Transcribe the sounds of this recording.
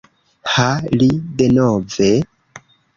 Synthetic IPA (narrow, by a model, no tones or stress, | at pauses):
halidenove